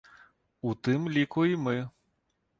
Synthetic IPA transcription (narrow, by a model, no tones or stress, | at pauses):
ut̪ɨmlʲikuimɨ